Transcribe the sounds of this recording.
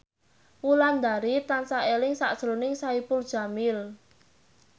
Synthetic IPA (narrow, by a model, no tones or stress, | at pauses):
wuland̪aɾit̪ansaelɪŋsa̰ʔd̥ʒ̥ɾonɪŋsaipʊld̥ʒ̥a̤mɪl